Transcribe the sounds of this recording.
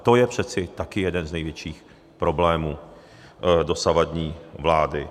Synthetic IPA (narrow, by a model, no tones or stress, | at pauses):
t̪o̞jɛpr̝̥ɛt̪t͡sɪt̪akɪjɛdɛnznɛjvjɛt͡ʃiːx | pɾo̞blɛːmuː | do̞savadɲiːvlaːdɪ